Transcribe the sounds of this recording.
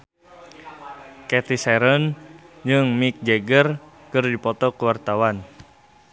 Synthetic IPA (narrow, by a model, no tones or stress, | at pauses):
kɛt̪isɛɾənd͡ʒɨŋmik̚d͡ʒɛɡər | kɨrdipɔt̪ɔkuwart̪awan